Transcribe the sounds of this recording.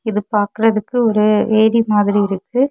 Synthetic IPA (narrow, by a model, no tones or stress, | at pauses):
ɪðɯpaːɾkɯɾɐðɯkːɯɔɾɯʋeːɾimaːðɪɾiɪɾɯkːɯ